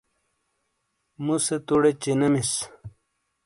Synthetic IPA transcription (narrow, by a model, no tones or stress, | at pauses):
muset̪uɽet͡ɕinɐmis